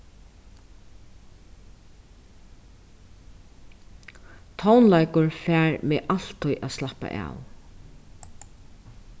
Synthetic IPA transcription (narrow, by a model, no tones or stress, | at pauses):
t̪ʰɔwnlajkʊɹfæːɹmeːʔal̥t̪ʰːʊjʔaðslahpa̰ʔa̰ːw